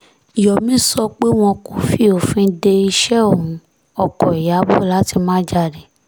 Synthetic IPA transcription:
i˨jɔ˨mĩ˦sɔ˧k͡pe˦w̃ɔ̃˧kũ˦fi˦˨o˨fĩ˦de˧i˧ʃɛ˦o˦˨ũ˨˦ | ɔ˧kɔ˨i˨ja˨˦bo˦˨la˨˦ti˧mãː˦d͡ʒa˧de˨

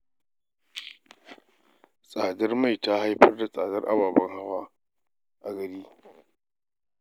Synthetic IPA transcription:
sʼaː˨dɐ˦rma˦˨jta˦ha˦jɸɐ˦rda˨sʼaː˨dɐ̰˦rʔa̰˨baː˨bɐ˦ŋha˦waː˦ | ʔa˨ɡɐ˨ɾiː˦

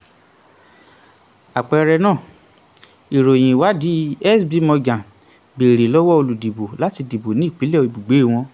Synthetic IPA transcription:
a˨k͡pɛ˨ɾɛ˧nãː˦˨ | i˨ɾo˨j̃ĩ˨wa˨˦di˨˦ɛ˦sbi˧mɔ̃˧ɡã˨ | be˨ɾe˨lɔ˦wɔ˦o˧lu˨di˨bo˨la˦ti˧di˨bo˨nĩ˨˦i˦˨k͡pi˨˦lɛ˦˧i˧˨bu˨ɡ͡be˨˦˨w̃ɔ̃˧

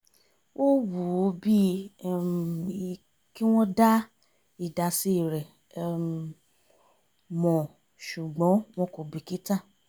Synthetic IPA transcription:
wʔo˦wu˨˦bi˦˨ | ki˦w̃ɔ̃˦da˦ | i˨da˨si˧˦i˨ɾɛ˨ | mɔ̃˨ | ʃu˨ɡ͡bɔ̃˨˦w̃ɔ̃˧ko˨bi˨ki˦ta˦˨

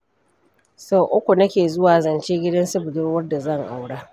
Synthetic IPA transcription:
so˦ʔʊ˦kʷu˨nɐ˦kʲeː˨zʊ˦waː˨zɐ˨nt͡ʃeː˦ɡʲɪ˦dɐ˦nsʊ˦bʊ˨dʊ˦rwɐ˦rda˨zɐ˦˨ŋʔa˨wɽaː˦

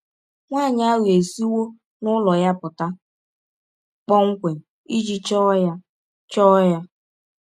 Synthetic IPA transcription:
ŋʷaː˦˨ɲ˦a˦ɣe˨si˦wo˦ | nʊ˦lɔ˨ja˦pʊ˨ta˦ | k͡pɔ˦ŋ̩˦kʷe˨i˦d͡ʒi˦t͡ʃɔ˦ja˦ | t͡ʃɔ˦ja˦

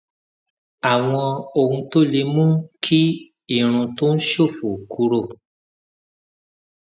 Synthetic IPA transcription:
a˨w̃ɔ̃˧o˨hũ˧to˦le˧mũ˦kʰi˦ | i˦˨ɾ̃ũ˧to˦ñ̩˦ʃo˦˨fo˨ku˧˦ɾo˦˨

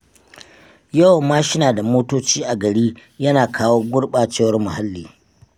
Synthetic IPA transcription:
ja˦˨wmaː˦ʃɪ˦naː˨da˨moː˦toː˦t͡ʃiː˦ʔa˨ɡɐ˨ɽiː˦jɐ˦naː˨kʰaː˦woː˦ɡʷʊ˦ɽɓaː˨t͡ʃeː˦wɐ˦rmʊ˨ha˦lːiː˨

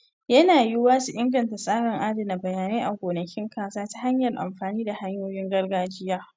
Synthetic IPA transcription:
jɐ˦naː˨jɪ˦waː˦su˨ʔɪ˦ŋɡɐ˨nta˨sʼaː˦ɽɐ˨ŋʔaː˦dɐ˨na˨bɐ˨jaː˨neː˦ʔa˨ɡʷoː˨nɐ˨kʲɪ˦ŋkʰaː˨saː˦ta˦ɦa˦ɲjɐ˨rʔa̰˨mɸaː˨niː˦da˨ha˦ɲjoː˦jɪ˦ŋɡɐ˦rɡaː˦d͡ʒɪ˦jaː˦

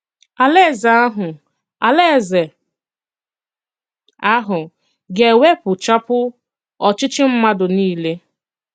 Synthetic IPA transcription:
a˨le˦˨za˨a˦ɦʊ˨ | a˨le˦˨ze˨ | a˦ɦʊ˨ | ɡe˨we˦pʊ˨t͡ʃa˦pʊ˦ | ɔ˨t͡ʃɪ˦t͡ʃɪ˦m̩˦ma˦dʊ˨niː˦le˦

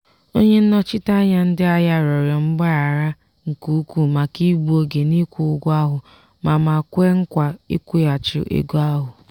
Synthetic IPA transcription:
o˦ɲe˦n̩˦nɔ˦t͡ʃɪ˦ta˦ɲa˦n̩˦dɪ˦a˦ja˦ɾɔ˨ɾja˨m̩˦ɡ͡ba˦a˨ɾa˦ | ŋ̩˨ku˨˦kʷu˨ma˨ki˦bu˦o˦ɡe˨ni˦kʷu˨ʊ˦ɡʷa˦ɦʊ˨ | ma˨ma˨kʷe˦ŋ̩˦kʷa˨ḭ˦kʷu˦ja˨t͡ʃɪ̰˨ʔḛ˨ɡu˦a˦ɦʊ˨

